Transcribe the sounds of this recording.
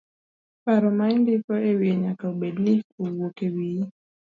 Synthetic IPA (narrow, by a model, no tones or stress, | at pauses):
paɾɔmaindifɔewjeɲakauɓedniowokewi